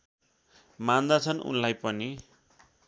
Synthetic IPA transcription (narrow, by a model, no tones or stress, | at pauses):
mand̪at͡sʰʌnṵnlajpʌni